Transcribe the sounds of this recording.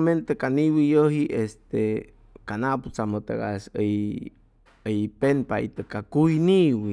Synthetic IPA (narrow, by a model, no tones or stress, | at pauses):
ment̪ekaniwijoɦiʔest̪e | kanaput͡samot̪eɣa̰səj | əjpenpaḭt̪əkakujniwi